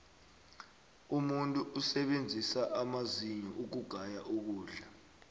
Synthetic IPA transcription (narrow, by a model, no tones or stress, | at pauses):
umuntʼuʔusɛɓend͡zʱisaʔamaziɲɔʔuk̬uɡ̥ʱajaʔuk̬uːɮa